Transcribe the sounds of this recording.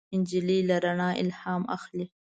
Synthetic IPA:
ɪnd͡ʒililaɾaɳɑʔɪ̰lhɑma̰xli

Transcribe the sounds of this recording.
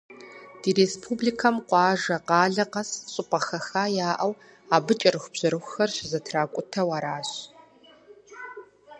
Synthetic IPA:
d̥iːɾespʰublikʰɐmqʷɑːʒɐqɑːɮɐqɐsɕʼɪpʼɐxɐxaːjaːʔɐw | aːbɨt͡ʃʼɐrɨxʷb̥ʑ̥ɐɾɨxʷʊxɐrɕzɐtʰraːkʷʼʊtʰɐwaːɾaːɕ

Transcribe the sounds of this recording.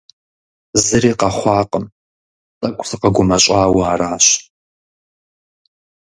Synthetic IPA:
zɨriːqɐχʷɑːqʼəm | tʼɐkʷʼsɨqɐɡʷʊmɐɕʼaːwaːraːɕ

